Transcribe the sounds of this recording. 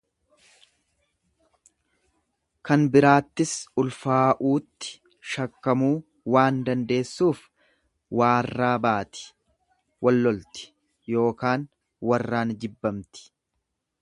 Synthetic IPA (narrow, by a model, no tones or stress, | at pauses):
kɐnbɪɾaːt̪ːɪsʊlfaːʔuːt̪ːɪ̥ | ʃɐkːɐmuː | waːnd̪ɐnd̪e̞ːsːuːf | waːrːaːbaːt̪ɪ̥ | wɐlːɔlt̪ɪ̥ | jo̞ːkaːn | wɐrːaːnd͡ʒɪbːɐmt̪ɪ̥